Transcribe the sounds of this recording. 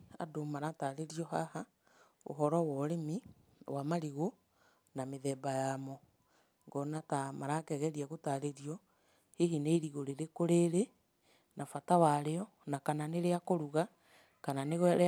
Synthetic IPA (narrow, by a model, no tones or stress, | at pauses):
a̰domaɾataɾeɾiɔɦaha | o̰ɦɔɾɔwɔɾemi | wamaɾiɣo | nameðɛbajamɔ | ŋɡɔnatamaɾakɛɣɛɾiaɣotaɾeɾiɔ | heɦineiɾiɣoɾeɾekoɾeɾe | nafatawaɾeɔ | nakananeɾeakoɾuɣa | kananeɣ